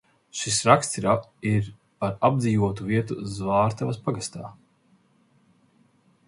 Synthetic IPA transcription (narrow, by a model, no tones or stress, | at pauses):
ʃisɾakst̪siɾaiɾ | paɾab̚d̪ziːvuɔt̪uviɛt̪uzvaːɾt̪avɐspaɡast̪aː